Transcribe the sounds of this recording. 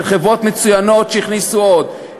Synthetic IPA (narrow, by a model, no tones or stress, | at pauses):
lχevo̞t̪me̞t͡sujano̞t̪ʃeiχnisuod̪